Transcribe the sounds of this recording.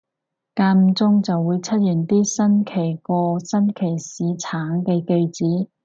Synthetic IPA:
kaː˧m̩˧t͡sʊ˥ŋt͡sɐ˨wːuː˨˧jt͡sʰɐ˥t̚jyː˨˩nt̪iː˥sɐ˥nkʰe˨˩jkɔː˧sɐ˥nkʰe˨˩jsiː˨˥t͡sʰaː˨˥ŋkɛː˧ke˧jt͡siː˨˥

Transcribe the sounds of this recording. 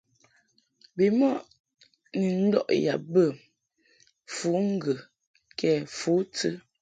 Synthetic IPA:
bi˨mɔ˦ʔ | ni˨n̩˦dɔ̰˦˨ʔja̰˨bə˦˨ | fu˨˦ŋ̩˦ɡə˨ | kʰɛ˦˨fu˨˦tə˦

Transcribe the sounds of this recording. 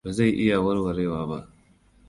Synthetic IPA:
ba˨za˦˨jʔɪ˦ja˨wɐ˦ɾwɐ˨ɾeː˦waː˨˦ba̰˦ʔ

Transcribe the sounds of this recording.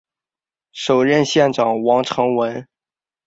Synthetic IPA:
ʂo˨˩ʊɻə˥˧nɕjɛ˥˩nʈ͡ʂɑ˨˩ŋwɑ˧˥ŋʈ͡ʂʰɤ˧˥ŋwə˧˥n

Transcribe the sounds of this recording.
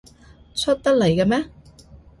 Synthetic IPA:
t͡sʰɵ˥t̚t̪ɐ˥k̚le˨˩jka˧mɛː˥

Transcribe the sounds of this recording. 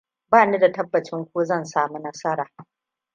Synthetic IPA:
baː˦˨ni˦da˨tɐ˦bːɐ˨t͡ʃɪ˦ŋkʷoː˦zɐ˦˨nsaː˦˨mu˦nɐ˦sɐ˦ɾaː˨

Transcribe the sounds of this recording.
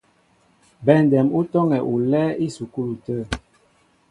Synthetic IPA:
bɛ˨ndɛ˨mu˦tɔ˦ŋɛ˨ʔu˨lɛ˦i˦su˨ku˦lu˨tə˦˨

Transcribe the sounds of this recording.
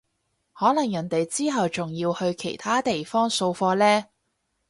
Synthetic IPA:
hɔː˨˥lɐ˨˩ŋjɐ˨˩ŋt̪e˨jt͡siː˥ɦɐ˨wt͡sʊ˨˩ŋjiː˧whɵ˧ɥkʰe˨˩jt̪ʰaː˥t̪e˨jfɔː˥ŋso˧wfɔː˧lɛː˥

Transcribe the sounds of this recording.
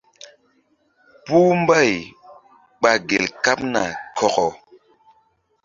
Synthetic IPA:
pu˦m˦ba˦˨j | ɓa˨ɡe˨lka˦p̚na̰˨kʰɔ˨kɔ˨

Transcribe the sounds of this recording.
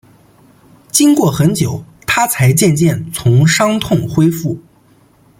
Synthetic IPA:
t͡ɕi˥ŋkwɔ˥˩xə˧˥nt͡ɕjo˨˩˦ʊ | t̪ʰa˥t͡sʰa˧˥ɪt͡ɕjɛ˥˧nt͡ɕjɛ˥˩nt͡sʰʊ˧˥ŋʂɑ˥ŋt̪ʰʊ˥˩ŋxwe˥ɪfu˥˩

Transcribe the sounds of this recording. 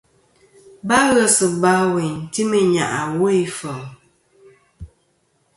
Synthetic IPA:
ba˦ɣə˦sɨ˨ba˨˦we˨ɲ˨ti˦me˨ɲa̰˨ʔa˨wo˦i˦fə˨ŋ

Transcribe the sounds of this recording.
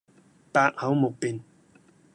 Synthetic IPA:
paː˧k̚hɐ˨˥wmʊ˨k̚pi˨n

